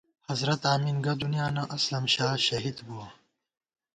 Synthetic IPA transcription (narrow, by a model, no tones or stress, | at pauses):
hɐzɾɐt̪aːminɡɐd̪unjaːnɐʔɐslɐmʃaːʃɐɦid̪buɐ